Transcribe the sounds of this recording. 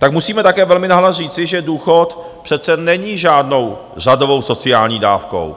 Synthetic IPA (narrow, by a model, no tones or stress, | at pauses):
t̪akmusiːmɛt̪akɛːvɛlmɪnaɦlariːt͡sɪʒɛduːxot̪ | pr̥ɛt̪t͡sɛnɛɲiːʒaːdno̞w | r̝adovo̞wso̞t͡sɪaːlɲiːdaːfko̰w